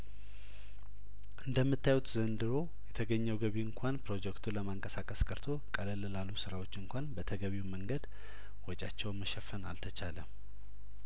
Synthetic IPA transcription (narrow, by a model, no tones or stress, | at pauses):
ʔɨnd̪əmːɨt̪ʰːajut̪zənd̪ɨɾo̞ | jɛt̪ʰəɡəɲːɛwɡəβiɨŋkʷʰanpɾo̞d͡ʒɛkt̪ʰuləmaɨŋkʼəsakʼəskʼəɾt̪ʰo̞kʼələlɨlalːusɨɾawo̞t͡ʃːɨŋkʷanbət̪ʰəɡəβiwməŋɡəd̪ | wɔt͡ʃʼat͡ʃːɛwnməʃɛfːəna̰lt̪ʰət͡ʃʰalə